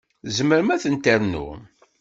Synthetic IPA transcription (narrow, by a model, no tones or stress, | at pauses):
zəməɾəmæθənt̪əɾnṵ